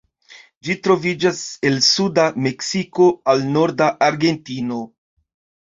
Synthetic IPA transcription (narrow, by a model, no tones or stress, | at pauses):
d͡ʒitɾo̞vid͡ʒase̞lsudame̞ksiko̞alno̞ɾdaʔaɾɡe̞ntino̞